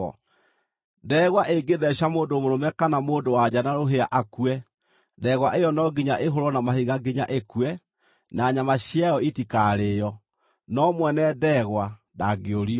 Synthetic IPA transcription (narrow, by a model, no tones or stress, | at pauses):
dɛːɣwaʔeɡeðɛɕamoːndomoɾomɛkanamoːndowad͡ʑanaɾoɦea̰ʔakuɛ | dɛɣwaʔejɔnɔɡiɲaʔeɦoɾɔnamahiɣaɡiɲaʔekuɛ | naɲamaɕjajɔitikaɾeːjɔ | nɔmwɛnɛdɛɣwa | daɡeoɾi